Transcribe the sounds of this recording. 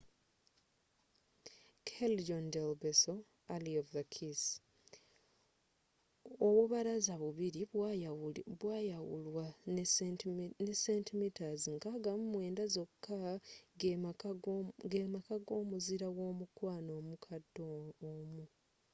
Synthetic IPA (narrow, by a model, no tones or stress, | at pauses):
kʰeld͡ʒondelbeso | aliovðakʰis | owuβaɾazaβuβiɾiaβwaːjawṵlwa | nesentimitaziŋkaːɡamumwe̞ːndazo̞kːa | ɡemakaɡo̞ːmuziɾawo̞ːmukwaːno̞ːmukʰadːoomu